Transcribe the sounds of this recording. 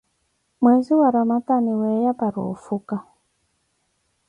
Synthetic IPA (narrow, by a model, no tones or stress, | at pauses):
mwɛziwaɾamataniwɛjapaɾɔ̰ːfuka